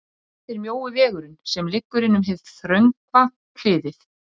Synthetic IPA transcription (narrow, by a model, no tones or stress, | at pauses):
θɪɾmjoːwʏvɛːɣʏɾʏnsɛmlɪkːʏɾɪnʏmɦɛvθɾœɥŋkva | kʰl̥ɪːðɪθ